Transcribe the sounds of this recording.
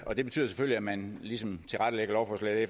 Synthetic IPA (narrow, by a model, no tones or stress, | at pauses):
ɒ̽d̥eb̥e̝t͡sʰy̰ːð̰ˠse̥føl̰iæmænlisɒ̽mt͡sʰe̝lʁad̥əleɡəɐlɒʊfɒ̽slɛ̰d̥e